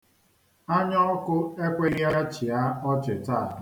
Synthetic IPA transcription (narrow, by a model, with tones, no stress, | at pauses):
a˦ɲɔ˦ɔ˦kʊ˦e˦kʷe˦ɣja˦t͡ʃɪ˨a˦ɔ˦t͡ʃɪ˨ta˦˨